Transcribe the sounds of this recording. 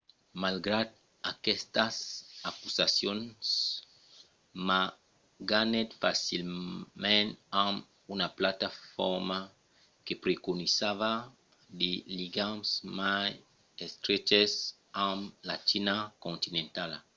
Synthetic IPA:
malɡɾad̪ | akɛst̪asakusasjons | ma | ɡanet̪fasilmẽnãm | unaplat̪afɔɾma | kepɾekonisava | d̪eliɡamsmaj | est̪ɾet͡ʃes | ãmlat͡ʃinakõnt̪inẽnt̪al

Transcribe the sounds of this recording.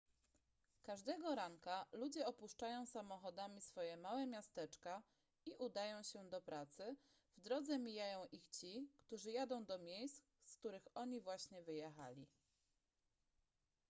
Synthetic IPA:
kaʐd̪ɛɡɔɾaŋkalud͡ʑɛɔpuʂt͡ʂajɔ̃w̃samɔxɔd̪amʲisfɔjɛmawɛmʲjast̪ɛt͡ʂka | iʔud̪ajɔ̃w̃ɕɛd̪ɔpɾat̪sɘ | vd̪ɾɔd̪zɛmʲijajɔ̃w̃ʔixt͡ɕikt̪uʐɘjad̪ɔ̃w̃d̪ɔmʲjejst̪ | skt̪uɾɘxɔɲivwaɕɲɛvɘjɛxa̰lʲi

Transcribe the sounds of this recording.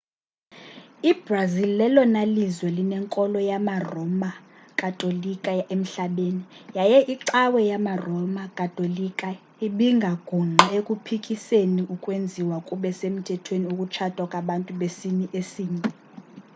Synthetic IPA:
ib̥razillɛlɔnalizwɛlinɛŋkʼɔlɔjamarɔma | kʼatʼolikʼaem̩ɬaɓenijajɛʔiǀawɛjamarɔmakʼatʼolikʼa | iɓiŋɡʱaɡ̥ʱuŋ͡ǃɛekʼupʰikʼiseniʔukʼwend͡zʱiwakʼuɓɛsem̩tʰɛtʰweniukʼut͡ʃʰatʼwakʼaɓantʼuɓesiniʔesiːɲɛ

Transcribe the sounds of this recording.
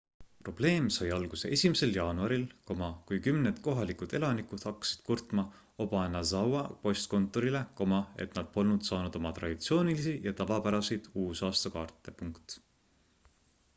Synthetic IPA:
pro̞b̥le̞ːmsɑjɑlɡ̥usḛʔe̞sʲimese̞ljɑːnuɑɾilko̞mɑkujkymned̪̥ko̞ɦɑlikud̪̥e̞lɑnikud̪̥hɑkːɑ̥si̥d̪̥kurt̪mɑ | o̞b̥ɑenːɑzɑwɑpo̞st̪̚ko̞nt̪ːˑo̞ɾileko̞mɑe̞̰t̪nɑd̪̥̚po̞lnud̪̥sɑːnud̪̥o̞mɑt̪ɾɑ̰d̪it̪sio̞ːnilisijɑt̪ɑvɑpæɾɑsejd̪̥uːsɑːst̪ɑkɑːrt̪ːˑe̞puŋkt̪

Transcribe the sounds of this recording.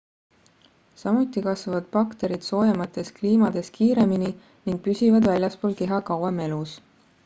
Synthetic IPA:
sɑmut̪ːˑikɑsvɑvɑd̪̥pɑkt̪e̞ɾid̪̥so̞ːjɑmɑt̪ːˑe̞skliːmɑd̪̥e̞skiːɾe̞mini | niŋɡ̥̚pysʲivɑd̪vælʲjɑspoːlke̞ɦɑkɑweme̞lus

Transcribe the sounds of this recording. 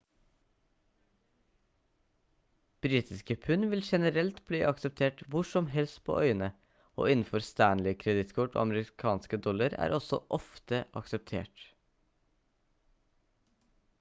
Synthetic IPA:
b̥ɾiːt̪ɪskəpʰʉnʋɪlʃɛnəɾɛlt̪bliːʔɑksəp̚t̪ʰeːʈʋʊʂɔmɦɛlst̪pʰo̰ːʔœʏənə | o̰ːɪnn̩fɔɾst̪æːɳlɪkʰɾɛd̪ɪt̪kʰʊʈo̰ːɑməɾɪkʰɑːnskəd̪ɔlɑɾæ̰ːɾʔɔsɔ̰ʔɔft̪əʔɑksəp̚t̪ʰḛːʈ

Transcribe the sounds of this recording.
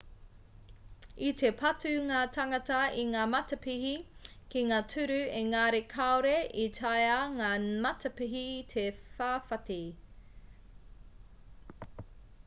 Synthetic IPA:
it̪ʰe̞pʰɐtʉŋaːtʰɐŋɐtɐiŋaːmɐtɐpihi | kiŋaːtʰʉɾʉeŋaɾekʰaoɾeʔitʰajɐŋaːmɐtɐpiɦitʰefaːfɐti

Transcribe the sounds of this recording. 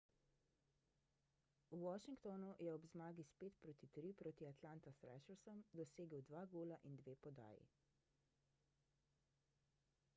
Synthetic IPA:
uwɔʃiŋkt̪ɔnujɛɔbzmaːɡispeːt̪pɾoːt̪it̪ɾipɾoːt̪iat̪laːnt̪asɾɛ̰ʃəwsəmd̪ɔseːɡəwd̪ʋaːɡoːlaʔind̪ʋeːpɔd̪a̰ːjḭ

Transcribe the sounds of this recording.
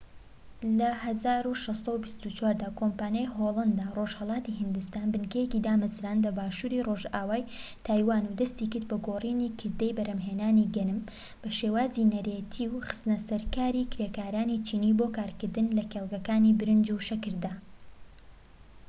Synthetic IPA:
lɐhɐzaːɾuʃessɐwbist̪ut͡ʃwaːɾd̪aːkʰompaːnjajɦolˠɐnd̪aːroːʒhɐlˠɑːt̪iɦɨnd̪ɨst̪aːnbɨnkɛjecid̪aːmazɾaːnlɐbaːʃuːɾiroʒaːwaːjt̪ʰaːjwaːnud̪ɐst̪ikɨɾd̪̚bɐɡoriːniːkʰɨɾd̪ejbɐɾɐmɦeːnaːniɡɐnɨm | b̥ɐʃeːwaːzinɐɾeːt̪ʰiwxɨ̥st̪ɨnɐsɐɾkaːɾiːkɾekaːɾaːnit͡ʃʰiːniːboːkaːɾkɨɾd̪ɨnlɐkeːlˠɡɐkaːnibɨɾɨnd͡ʒuʃɐkɨɾd̪aː

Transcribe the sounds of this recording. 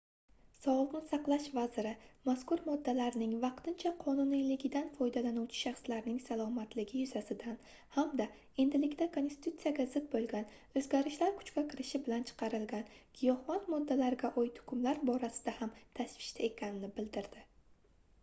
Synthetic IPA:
sɒwlˠɨqnɪsɑqlˠaʃvazɪɾɪmaskʊɾmɒd̪ːalaɾnɪŋvɑqt̪ʰɪnt͡ʃʰaqʰɒnʊnilɪɡʲɪd̪anfɒjd̪alanuwt͡ʃʰɪ̥ʃɑχslaɾnɪŋsalˠɒmat̪ʰlɪɡʲɪjʊz̥asɪd̪an | hamd̪a | e̞nd̪ɪlɪkʲt̪akʰo̞nst̪i̥t̪ut̪sɨijaɡʲazɪk̪̚bolˠɡʲan | ɵzɡʲaɾɪʃlaɾkʰʊ̥t͡ʃkʲakʲʰɪɾɪʃɪbɪlant͡ʃʰɨ̥qʰɑɾɪlɡʲankʲʰijɒhwant̪mɒd̪ːalaɾɡʲaʔojt̪ʰʊ̥kʲʰʊmlaɾbɒɾasɪ̥d̪ahamt̪ʰaʃvɪ̥ʃt̪ʰae̞kʲʰanɪnɪbɪld̪ɪɾd̪̥ɪ

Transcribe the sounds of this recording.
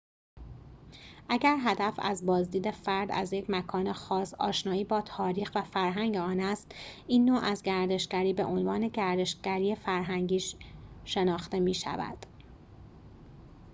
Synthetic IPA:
ʔæɟæɾɦæd̪æfæ̰zbɒːzd̪iːd̪e̞fæɾd̪æ̰zje̞cʰmækʰɒːne̞xɒːsɒ̰ːʃnɒːiːbɒːt̪ʰɒːɾiːxvæfæɾɦæŋɟeɒːnæst̪ʔiːnːoːʔæzɟæɾd̪e̞ʃɡæɾiːbe̞ʔonvɒːne̞ɟæɾd̪e̞ʃɟ̥æɾiːefæɾɦæŋɟiːʃʃe̞nɒːxt̪e̞miːʃæ̰væ̰d̪̥

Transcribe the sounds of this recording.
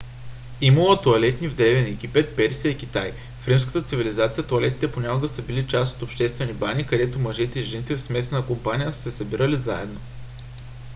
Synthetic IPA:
imɐlˠət̪oɐlɛt̪nivd̪ɾɛvɛnɛɡ̟ipɛt̪̚pɛɾsijəikʲit̪aj | fɾimskə̥t̪ət̪sivilizat̪sijət̪oɐlɛt̪i̥t̪ɛponʲakʊɡəsəbilit͡ʃast̪ot̪opʃt̪ɛst̪vɛnibanikɐd̪ɛt̪omɐʒɛt̪ɛiʒɛnit̪ɛfsmɛsənəkompanʲijəsə̥sɛsɐbiɾəliza̰ɛ̰d̪no

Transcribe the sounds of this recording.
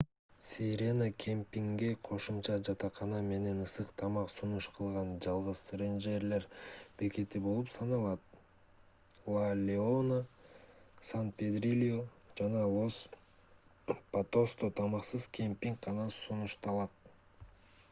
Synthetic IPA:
sʲeɾʲenakʲʰempʲiŋɡeqʰo̞ʃumt͡ʃɑd͡ʒɑt̪ɑqʰɑnɑme̞ne̞nɯsɯqt̪ʰɑmɑqsunuʃqʰɯlˠʁɑnd͡ʒɑlˠʁɯzrenʒeɾle̞ɾb̥e̞ke̞t̪ibo̞lˠupsɑnɑlˠɑt̪̚ | lˠalʲeona | sant̪̚pʲed̪ɾilʲjo | d͡ʒɑnɑlˠo̞s | pat̪ost̪ot̪ʰɑmɑqsɯz̥kʲʰempʲiŋkqɑnɑsunuʃt̪ɑlˠɑt̪̚

